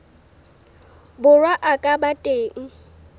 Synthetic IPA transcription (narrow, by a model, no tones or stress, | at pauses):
bʊrwaʔakʼabatʼeːŋ̩